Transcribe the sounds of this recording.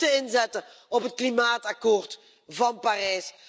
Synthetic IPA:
təɪnzɛtə | ɔpɦətklimaːtɑkoːrt | vɑnparɛːs

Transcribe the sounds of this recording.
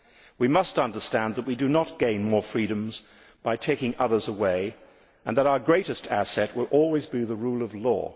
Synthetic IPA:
wimʌstʌ̃ndə˞stæ̃nðət̚widɨnət̚ɡ̥ẽɪ̃nmɔɹfɹiɾɨ̃mz | b̥aɪtʰeɪkɪ̃ŋʌðə˞zəweɪ | ɨ̃nðəɾaʊə˞ɡɹeɪɾɨstʰæ̰sɛt̚wəlˠʔɔlˠwizbiðəɹulˠʌvlɔ̰

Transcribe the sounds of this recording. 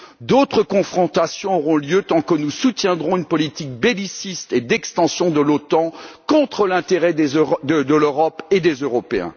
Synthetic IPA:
d̪ot̪χəkɔ̃fχɔ̃t̪asjɔ̃ɔʁɔ̃ljøt̪ɑ̃kənusut̪jɛ̃d̪ʁɔ̃ynpɔlit̪ik̚belisist̪ed̪ɛkst̪ɑ̃sjɔ̃d̪əlot̪ɑ̃kɔ̃t̪χəlɛ̃t̪eʁɛd̪eəd̪əløʁɔped̪ezøʁɔpeɛ̰̃

